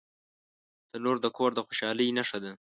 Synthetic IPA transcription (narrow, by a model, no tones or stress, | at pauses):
t̪əloɾd̪əkʰoɾd̪əxoʃɑləjnaʂad̪a